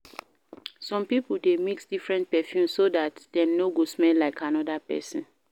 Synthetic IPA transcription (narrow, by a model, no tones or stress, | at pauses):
sɔ̃mpipul̩demiksd̥ifɹɛ̃nt̚pɛfjũmsːodatdɛ̃mnoɡosmɛlːaɪkʰanɔdapɛ̰sɔ̃n